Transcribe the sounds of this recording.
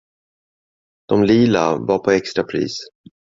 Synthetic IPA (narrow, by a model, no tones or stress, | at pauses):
d̪̥ɔmliːla̰vaɾpʰɔɛkst̪ɾapʰɾḭːs